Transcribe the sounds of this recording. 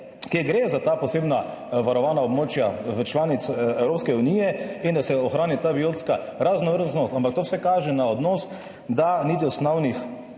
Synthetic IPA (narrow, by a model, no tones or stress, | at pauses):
keɡɾezat̪aːpɔseːbna | ʋaɾɔʋaːnaɔbmoːt͡ʃjaʋət͡ʃlaːnit̪sɛwɾoːpskɛunijɛind̪asɛɔxɾaːnit̪aːbiot̪ska | ɾaznɔʋəɾznɔst̪ampakt̪oːwsɛkaːʒɛnaɔd̪noːs | d̪aniːt̪̬iɔsnɔwnix